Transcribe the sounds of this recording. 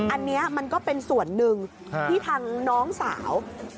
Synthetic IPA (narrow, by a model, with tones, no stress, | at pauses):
ʔa˧nːi˦˥ɐma˧nkɔː˥˩pe˧nsu˨˩ənːɯ˧ŋ | t̪ʰiː˥˩t̪ʰaː˧ŋnɔː˦˥ŋsa̰ː˩˦w